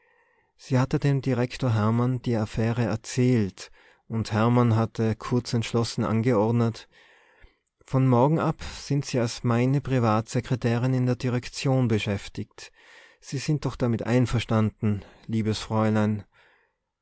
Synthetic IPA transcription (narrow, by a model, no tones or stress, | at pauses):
z̥iːhatədeːmdiʁɛktoːɐɦɛɐmand̥iːafɛːʁəɛɐt͡sɛːlt | ʔʊnthɛɐmanɦatʰəkʰʊɐt͡sɛntʃlɔsn̩ʔa̰nɡəɔɐdnət | fɔnmɔɐɡŋ̩ʔapz̥ɪntz̥iːalsmaɪnəpʁ̥ivaːtz̥ɛkʁ̥ɛtʰɛːʁɪnɪndeːɐdiʁ̞ɛkt͡sjoːnbəʃɛftɪkt | z̥iːz̥ɪnt̚d̥ɔχd̥amɪtʔa̰ɪnfɛɐʃtandn̩liːbəsfʁ̥ɔʏlaɪn